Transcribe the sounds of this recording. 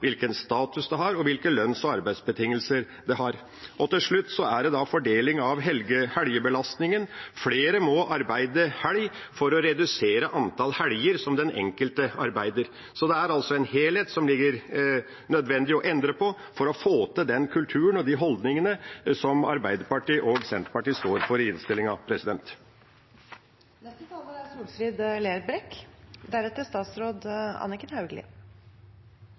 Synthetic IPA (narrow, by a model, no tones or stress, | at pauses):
ʋɪlkənst̪ɑːt̪ʉsd̪ɛɦɑɾɔʋɪlkəlœnsɔɑɾbæɪd̪sbət̪ʰɪŋːəlsəɾ | d̪ɛɦɑɾ | ʔɔt̪ɪlʂɭʉt̪ːsɔæɖɛd̪ɑfɔɖeːlɪŋɑʋɦɛlɡəhæljəbəlɑst̪nɪŋənfleːɾəmɔʔɑɾbæɪd̪əhælj | fɔɾɔɾɛd̪ʉseːɾəʔɑnt̪ʰɑlhæljəɾsɔmd̪ɛnɛ̰ŋkəlt̪əɑɾbæɪd̪əɾ | sɔd̪ɛæɾɑlsɔɛnheːlheːt̪sɔmlɪɡːəɾ | nœd̪ʋɛnd̪ɪɔʔɛnd̪ɾəpʰɔ | fɔɾɔfoːt̪əd̪ɛnkʰʉlt̪ʰʉːənɔd̪iɦɔld̪nɪŋənəsɔmɑ̰ɾbæɪd̪əɾpɑʈiːʔɔɡsɛnt̪pɑʈiːst̪oːɾfɔɾɪnst̪ɪlːɪŋɑʋpʰɾɛsɪd̪ɛnt̪ | nɛst̪ət̪ɑləæsuːlsɾiːd̪leːɾbɾɛkd̪æɾɛt̪əst̪ɑːt̪sɾoːd̪ɑ̰nɪkənhɑʉɡlɪ̰